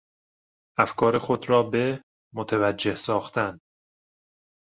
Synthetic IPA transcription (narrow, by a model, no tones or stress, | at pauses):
ʔæfkʰɒːɾexo̞d̪ɾɒːbe̞ | mot̪ʰevæd͡ʒːe̞hsɒːxt̪ʰæn